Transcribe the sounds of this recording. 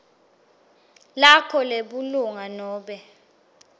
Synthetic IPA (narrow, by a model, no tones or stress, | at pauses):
lakʰɔleɓuluŋanɔːɓɛ